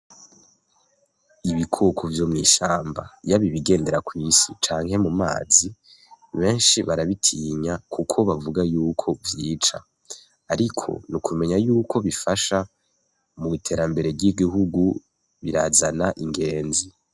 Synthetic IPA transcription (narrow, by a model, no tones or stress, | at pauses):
iβikʰokʰovjo̞mŋiːʃaːmba̰jaβiβiɡe̞ːnde̞ɾakwiːsit͡ʃaːŋɦe̞muma̰ːzi | βe̞ːnʃiβaɾaβitʰiːɲakʰukʰo̞βavuɡajuːkʰo̞vjiːt͡ʃa̰ | aɾikʰo̞̰nukʰume̞ɲajuːkʰo̞βifaʃa | muitʰe̞ːɾambe̞ɾe̞ɾɟiɡiɦuɡu | βiɾaːzanaʔiŋɡe̞ːnzi